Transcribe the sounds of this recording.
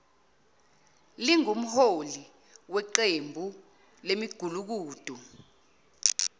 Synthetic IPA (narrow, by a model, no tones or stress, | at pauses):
liŋum̩holi | wɛǃembʱu | lemiɡ̥ʱuluk̬uːd̥ʱu